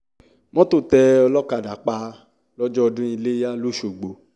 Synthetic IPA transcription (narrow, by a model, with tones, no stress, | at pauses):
mɔ̃˦to˦˨tɛ˧ɔ˧lɔ˦ka˧˨da˨k͡pa˧ | lɔ˦d͡ʒɔ˦ɔ˧dũ˦i˧le˦ja˦lu˦˨ʃo˨ɡ͡bo˨